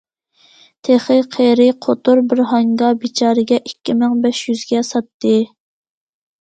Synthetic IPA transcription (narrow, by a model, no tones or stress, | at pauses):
t̪ʰeχɨqʰeɾɪqʰot̪uɾbɪɾɦɑŋɡɑbit͡ʃʰɑːɾɨɡʲɛʔikʲːimɪŋbɛʃjyzɡʲɛsɑt̪ːɨ